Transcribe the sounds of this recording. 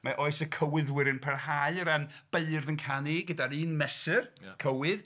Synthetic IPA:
maʔoɨsəkʰəwɪðwɪɾɨnpʰɛrhaɨɾanb̥eɨrðənkʰaniɡədaɾiːnmɛsɨrkʰəwɪð

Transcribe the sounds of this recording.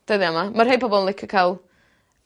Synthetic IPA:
d̥əðiamamarɦejbɔbɔlˠənlˠɪkʰəkʰajlˠ

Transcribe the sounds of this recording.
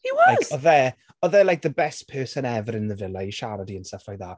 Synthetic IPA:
hiwɔaz̥ɔðɛ | ɔðɛlˠajk̚ðəbɛst̚pʰɜːsənɛvəɾɪnðəvɪlˠaiʃaɾadiənsəfɔjðaː

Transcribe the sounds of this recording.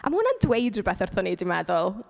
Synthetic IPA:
ʔa̰mahʊnandwejdrʊbɛθɛrθɔnidɪmɛðɔlˠ

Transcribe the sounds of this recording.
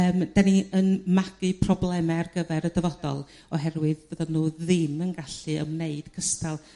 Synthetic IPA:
əːmd̥aniənmaɡ̥ɨpʰrɔblˠɛmɛarɡəvɛɾədəvɔdɔ̰lˠ | ɔɦɛrwɨðbəðɔnuːðɪmənɡaɬɨə̰mneɨd̥kʰəstʰalˠ

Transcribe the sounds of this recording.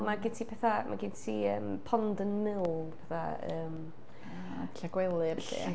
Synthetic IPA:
maɡɪntʰipʰɛθamʔa̰ɡɪntʰiəːmpʰɔndənmɪlˠpʰɛθaə̰ːm | ɬaɡwɛlˠɨrɬḭː

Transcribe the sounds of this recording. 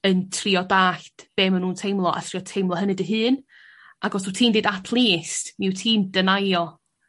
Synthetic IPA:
əntʰriɔdaːɬd̥b̥eːmənuːntʰejmlˠɔʔa̰tʰr̥iɔtʰejmlˠɔɦənɨdəɦɨːn | aɡɔsutʰiːmdedatʰlˠiːstmiwtʰiːmdənajɔ

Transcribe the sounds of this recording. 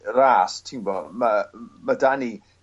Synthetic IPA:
raːstʰinbɔːmamadani

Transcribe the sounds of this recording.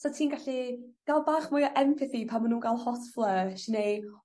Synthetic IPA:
sɔtʰiːnɡaɬid̥alˠbaːχmʊjɔʔɛmfɪθipʰamanuːnɡalˠhɔtflˠəʃinej

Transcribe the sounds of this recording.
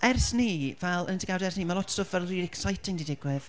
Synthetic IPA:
ʔɛrsniːvɛlˠənətiɡawdɛrsniːmalˠɔtʰstofvɛlˠriɾɛksajtʰɪŋdidɪɡwɪv̥

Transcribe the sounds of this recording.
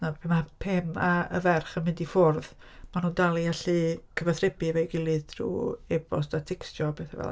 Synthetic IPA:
napʰemapʰɛmaə̰vɛrχənmɪndifʊrð | manuːndalˠiaɬɨkʰəvaθrɪbɨvɛjɡɪlˠɨðtʰrṵːeb̥ɔstatʰɪkstɔbeθɛvɛ̰l

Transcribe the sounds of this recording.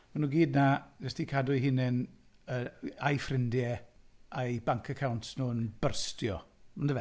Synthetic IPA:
manuːɡiːdnavɛsdikʰadʊjɦɪnɛn | əajfrɪndjɛajbaŋkʰəkʰawntʰnuːənb̥ərstjɔmandəvɛ

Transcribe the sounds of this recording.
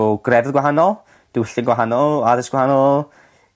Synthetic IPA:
ɡ̥rɛvðɡwaɦanɔlˠ | d̥iwɪɬɪnɡwaɦanɔlˠaðɪsɡ̥wahanɔlˠ

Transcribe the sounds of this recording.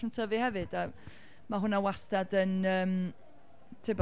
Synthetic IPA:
əntʰəvɨhɛvɨda | maɦʊnawastadənəːm | tʰɪb

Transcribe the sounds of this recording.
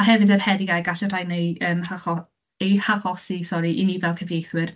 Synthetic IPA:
aɦɛvɨdərhɛdɪɡaɡaɬɛr̥ajnejəːmhaχɔ | ejhaχɔsisɔɾiʔinivɛlˠkʰəvejθwɪr

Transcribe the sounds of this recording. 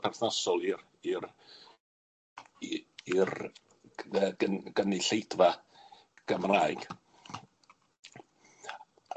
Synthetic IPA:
pʰɛrθnasɔlˠir | ir | ir | əɡəɡ̥ənɪɬejd̥va | ɡ̥əmraːɨɡ̥

